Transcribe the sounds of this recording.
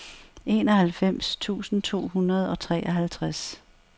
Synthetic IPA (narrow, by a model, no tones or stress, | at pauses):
e̝ːnɒ̽hælfem̰st͡sʰṵːsn̩t͡sʰo̝̰ːɦunɐð̞ˠɒ̽t͡sʰʁɛ̰ːʔɒɦælt͡sʰʁas